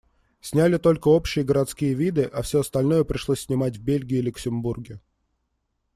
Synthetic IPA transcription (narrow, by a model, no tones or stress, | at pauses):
sʲnʲælʲɪt̪o̞lʲkəo̞pɕːɪjəɡəɾɐt̪skʲijəvʲid̪ɨʔafsʲɵɐst̪ɐlʲno̞jəpɾʲɪʂlˠosʲːnʲɪmatʲvbʲelʲɡʲɪɪlʲʊksʲɪmburɡʲɪ